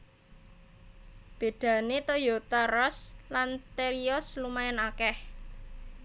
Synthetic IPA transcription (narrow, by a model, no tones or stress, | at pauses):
b̥e̤d̪̥ä̤net̪ojot̪arɔslant̪eɾiɔslumajanakɛh